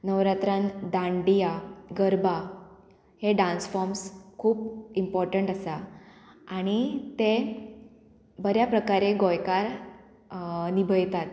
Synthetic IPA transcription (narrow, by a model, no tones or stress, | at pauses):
nəʋɾat̪ɾand̪ãɳɖijaɡəɾba | heɖãnsfɔɾmskʰuːpimpɔɾʈəɳʈasa | aɽ̃it̪e | bəɾjapɾəkaɾeɡɔjkaɾ | nibʱəjt̪at̪